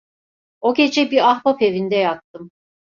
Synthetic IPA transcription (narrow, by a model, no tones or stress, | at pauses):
o̞ɟʲe̞d͡ʒɛbiɾahbape̞vind̪ɛjak̚t̪ʰɯm